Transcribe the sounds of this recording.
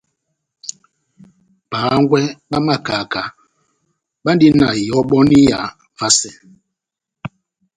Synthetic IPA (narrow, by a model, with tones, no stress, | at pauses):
paː˨˦ŋɡwɛ˦ɓa˦ma˦˨ka˨ka˨ | ɓa˦n˦di˦na˨jɔ˦ɓɔ˦ni˦ja˨ | va˦sɛ˨